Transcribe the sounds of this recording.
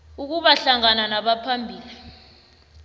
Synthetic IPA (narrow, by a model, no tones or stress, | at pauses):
uk̬uɓaɬaŋananaɓapʰambʱiːli